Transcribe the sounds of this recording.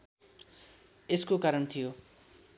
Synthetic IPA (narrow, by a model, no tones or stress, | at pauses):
eskokaɾʌnt̪ʰijo